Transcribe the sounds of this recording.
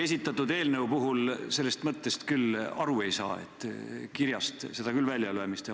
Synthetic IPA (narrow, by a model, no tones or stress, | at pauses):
e̞sʲit̪ːˑɑt̪ːˑud̪e̞ːlne̞upuɦulse̞lːe̞st̪mɤt̪ːe̞st̪kylɑɾue̞jsɑ̰ːe̞̰t̪ːˑkiɾjɑst̪se̞d̪ɑkylvælʲjɑlyemist̪e